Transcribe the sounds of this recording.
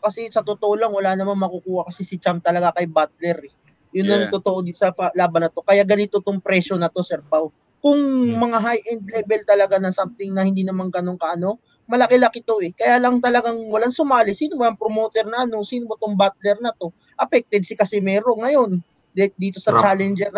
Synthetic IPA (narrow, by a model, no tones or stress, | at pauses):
kɐsɛsɐt̪ot̪oʔolɐŋwɐlaːnɐmanmɐkukuːhɐkɐsɛsɪt͡ʃamt̪ɐlɐɡakɐjbat̪̚lɛɾɛ | jʊnːɐŋt̪ot̪oʔod̪isɐpɐlaːbɐnːɐt̪o̞kɐjaɡɐnit̪ot̪oŋpɾɛʃo̞nɐt̪o̞sɛɾpaw | kʊŋmɐŋaɦajʔɛnd̪̚lɛːbɛlt̪ɐlɐɡanɐsamt̪ɪŋnɐhɪnd̪iːnɐmaŋkɐnoŋkɐʔɐno̞ | mɐlɐkɛlɐkɪt̪o̞ʔɛkɐjaːlɐŋt̪ɐlɐɡaŋwɐlaŋsʊmaːlɪsiːnomoɐŋpɾomoːt̪ɛɾnɐʔɐno̞siːnomot̪oŋbat̪̚lɛɾnɐt̪o̞ | ʔɐpɛk̚t̪ɛd̪̚sɪkɐsɛmɛɾo̞ŋɐjo̞n | d̪iːt̪o̞sɐt͡ʃalɛnd͡ʒɛɾ